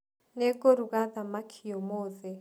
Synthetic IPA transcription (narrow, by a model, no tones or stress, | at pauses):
nɛkʼoɾuɣaðamakʰiɔmoːðɛ